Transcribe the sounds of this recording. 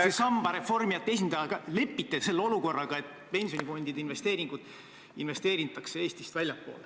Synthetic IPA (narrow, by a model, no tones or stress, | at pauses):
esɑmb̥ɑɾe̞fo̞rmijɑt̪ːees̬ʲind̪̥ɑjɑɡɑle̞pːit̪ːese̞lːeo̞luko̞rːɑɡ̥ɑe̞t̪ː | pe̞nʲsio̞nʲifo̞nd̪id̪einve̞st̪e̞ːɾiŋɡ̥ud̪̥ | inve̞st̪e̞ːɾint̪ːˑɑkse̞e̞ːsʲt̪ist̪vælʲjɑpːo̞̰ːle